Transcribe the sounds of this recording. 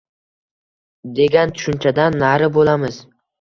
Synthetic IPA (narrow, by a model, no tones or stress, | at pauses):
d̪e̞ɡʲant̪ʰʊ̥ʃʊnt͡ʃʰad̪anːaɾɪbolamɪz